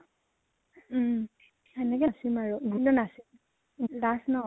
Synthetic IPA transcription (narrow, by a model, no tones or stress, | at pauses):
ɛnɛkɛsimaɹuɡʱulɔnasim | dasnɔ